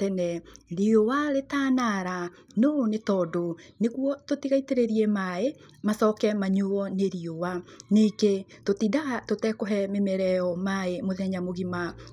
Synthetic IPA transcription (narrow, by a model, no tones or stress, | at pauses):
tɛnɛɾiowaɾetaːnaɾa | nonetɔdoneɣuɔtotiɣaiteɾeɾiɛmaemasɔkɛmaɲuɔneɾiowaneketotidaɣatotɛkɔɦɛmemɛɾɛɔmaemoðɛɲamoɣima